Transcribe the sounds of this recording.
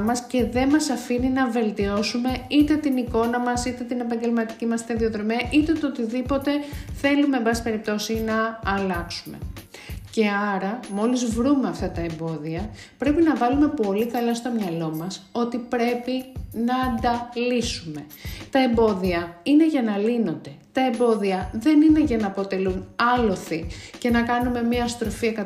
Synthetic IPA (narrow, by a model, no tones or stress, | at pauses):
mɐsce̞ðe̞mɐsɐfininɐve̞lt̪io̞sume̞it̪e̞t̪iniko̞nɐmɐsit̪et̪ine̞pɐɲɟelmɐt̪i̥cimɐst̪eðio̞ðɾo̞miɐʔit̪e̞t̪ot̪iðipo̞t̪e̞θe̞lume̞mbɐsipe̞ɾip̚t̪o̞sinɐːlɐksume̞̰ | ce̞ɐɾɐmo̞lizvɾume̞ɐft̪ɐt̪ɐembo̞ðiɐ | pɾe̞pinɐvɐlume̞po̞likɐlɐst̪o̞mɲɐlo̞mɐso̞t̪ipɾe̞pinɐːnd̪ɐlisume̞ | t̪ɐe̞mbo̞ðiɐine̞ʝɐnɐlino̞nd̪e̞t̪ɐe̞mbo̞ðiɐðe̞nine̞ʝɐnɐːpo̞t̪e̞lunɐlo̞θicenɐkɐnume̞miɐst̪ɾo̞fiɐkɐ